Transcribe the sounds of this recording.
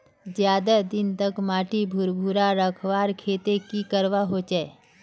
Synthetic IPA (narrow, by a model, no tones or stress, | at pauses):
d͡ʒjaːd̪ad̪ɪnt̪əkmaːʈibʱʊɾbʱuɾaɾəkʰʋaːɾkʰeːt̪ekikəɾʋaɦot͡ʃɛː